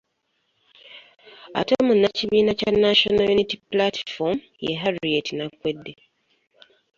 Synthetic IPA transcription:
a̰tomunːaciβiːnacanːaʃonajunitiplatfom | jḛɦaɾietinakwedːe

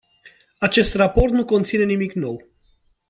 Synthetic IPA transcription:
at͡ʃe̞st̪rapo̞rt̪nuko̞nt̪sine̞nimikno̞w

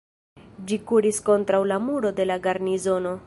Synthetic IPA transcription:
d͡ʒikuɾisko̞ntɾawlamuɾo̞de̞laɡaɾnizo̞no̞

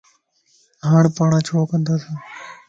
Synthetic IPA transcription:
ɦaːɳpaːɳãːt͡ʃʰoːkənd̪aːsãː

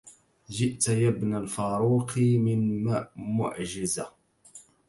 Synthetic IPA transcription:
ʒɪʔt̪jabnalfaːɾuːqʰmɪnmmʊ̰ʕʒɪza

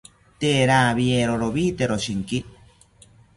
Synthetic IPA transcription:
t̪eɾaβieɾoɾoβit̪eɾoʃiŋki

